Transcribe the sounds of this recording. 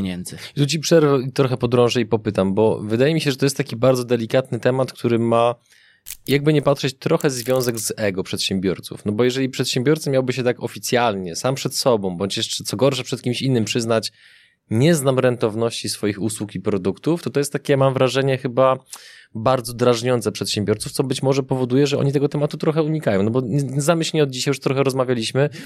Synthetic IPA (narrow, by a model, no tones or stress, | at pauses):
ɲɛnd̪zt̪ut͡ɕipʂɛɾvɛit̪ɾɔxɛpɔd̪ɾɔ̃w̃ʐɛipɔpɘt̪ambɔvɘd̪ajɛmʲiɕɛʐɛt̪ɔjɛst̪t̪ːakʲibaɾd̪zɔd̪ɛlʲikat̪nɘt̪ɛmat̪kt̪uɾɘma | jaɡ̚bɘɲɛpatʂɛt͡ɕt̪ɾɔxɛzvʲjɔ̃w̃zɛɡzɛɡɔpʂɛt̪ɕɛmbʲjɔɾt̪sṵfnɔbɔjɛʐɛlʲipʂɛt̪ɕɛmbʲjɔɾt̪samʲjawbɘɕɛt̪akɔfʲit̪sʲjalɲɛsampʂɛt̪sɔbɔ̃w̃bɔɲt͡ɕjɛʂt͡ʂɛt̪sɔɡɔɾʂɛpʂɛt̪̚kʲimɕinːɘmpʂɘznat͡ɕ | ɲɛznamɾɛnt̪ɔvnɔɕt͡ɕisfɔjixuswukipɾɔd̪ukt̪uft̪ɔt̪ɔjɛst̪ːakʲɛmamvɾaʐɛɲɛxɘba | baɾd̪zɔd̪ɾaʐɲɔnsɛpʂɛt̪ɕɛmbʲjɔɾt̪suft̪sɔbɘt͡ɕmɔʐɛpɔvɔd̪ujɛʐɛɔ̰ɲit̪ɛɡɔt̪ɛmat̪ut̪ɾɔxɛuɲikajɔ̃w̃nɔbɔzamɘɕlʲɲiɔd̪̚d͡ʑiɕajuʂt̪ɾɔxɛɾɔzmavʲjalʲiɕmɘ